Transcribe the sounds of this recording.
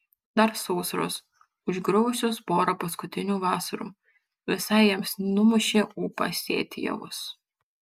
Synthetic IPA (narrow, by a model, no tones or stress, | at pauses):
d̪ɐɾsɔʊsɐɾo̰ːs | ʊʒɡɾɔʊʊsʲoːspoːɾɐpɐskʊt̪ʲɪnʲuːʋɑːsɐɾṵː | ʋʲɪsɐɪjɛmsnʊmʊʃʲeːuːpɑ̰sʲḛːt̪ʲɪjɛ̰ʋʊ̰s